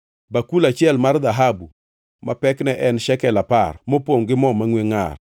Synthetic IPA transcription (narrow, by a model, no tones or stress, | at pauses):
bakulat͡ʃɪɛlmard̪aɦabu | mapɛknɛʔɛnʃɛkɛlaparmopoŋɡɪmɔmaŋweŋa̰r